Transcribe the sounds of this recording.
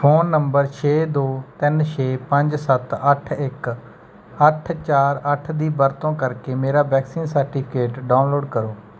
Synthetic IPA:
pʰoːnːəmbəɾt͡ʃʰeːd̪oːt̪ɪnt͡ʃʰeːpə̃ɲd͡ʒsət̪əʈʰɪk | əʈʰt͡ʃaːɾəʈʰd̪iːbəɾt̪õːkəɾkeːmeːɾaːbɛːksiːnsəɾʈiːpʰɪkeːʈɖaːnloːɖkəɾoː

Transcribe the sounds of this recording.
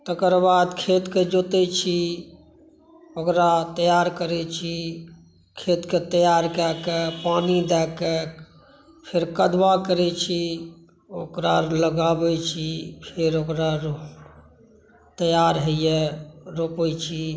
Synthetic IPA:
t̪əkəɾbad̪kʰet̪ked͡ʒot̪ɛt͡ʃʰi | okɾat̪əjaɾkəɾɛt͡ʃʰi | kʰet̪ket̪əjaɾkɛkepanid̪ɛkɛ | pʰeɾkəd̪bakəɾɛt͡ʃʰi | okɾaləɡabɛt͡ʃʰipʰeɾokɾaɾ | t̪əjaɾɦəjɛɾopɛt͡ʃʰi

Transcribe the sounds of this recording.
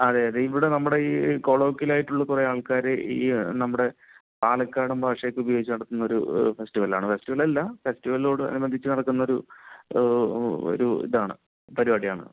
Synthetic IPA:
ɐðeːɐðeiʋiɽe̞nɐmːuɽe̞iko̞ːɭo̞ːkːilaːjiʈːuɭːɐkurɐjaːɭkaːɾeḭːnɐmːuɽe̞ | paːlɐkːaːɽumbʱaːʂɐjɐkːubɐjoɡit͡ɕːɨnɐɽɐt̪ːunːɐo̞ɾṵfe̞stiʋɐla̰ːɳɨfe̞stiʋɐlɐlːɐfe̞stiʋɐllo̞ːɽɨɐ̰nubɐnd̪ʱit͡ɕːɨnɐɽɐkːunːɐoɾu | o̰ɾuḭðaːɳɨ̰ | pɐɾibaːɽijaːɳɨ̰

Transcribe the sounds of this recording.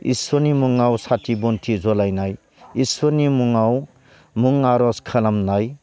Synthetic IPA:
ḭsɔnimuŋawsatʰibɔntʰizɔlajnaj | isɔnimuŋaw | muŋaɾɔskʰalamnaj

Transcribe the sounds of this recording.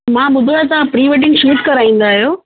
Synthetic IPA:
mãːɓʊd̪ʱoajot̪̬ɐãpɾiːʋeːʈ̬ɪ̃ŋɡʃuːʈkɐɾaːĩːn̆d̪aːɦijoː

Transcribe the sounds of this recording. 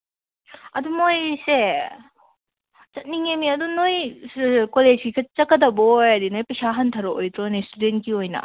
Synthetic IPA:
ɐd̪umojse | t͡ʃɐt̚niŋemiɐdunoj | koled͡ʒɡikʰɐt͡ʃɐkːɐdɐbojɐdinojpɐsaɦɐntʰɐɾoojt̪ɾonistudenkiojnɐ̰

